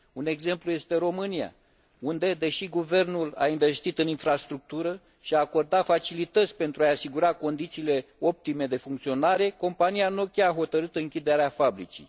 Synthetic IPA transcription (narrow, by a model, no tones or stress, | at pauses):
une̞ɡze̞mpluje̞st̪e̞ɾo̞mɨnia̰ | und̪e̞d̪e̞ʃiɡuve̞rnula̰inɱve̞st̪it̪ɨninfɾast̪ɾuk̚t̪uɾə | ʃiaːko̞rd̪at̪fat͡ʃilit̪ət̪sʲpe̞nt̪ɾuajasiɡuɾako̞nd̪it̪siːle̞o̞p̚t̪ime̞d̪e̞fuŋkt̪sio̞naɾe̞ko̞mpanijano̞kʲaːɦo̞t̪əɾɨt̪ɨŋkʲid̪e̞ɾeafabɾit͡ʃḭ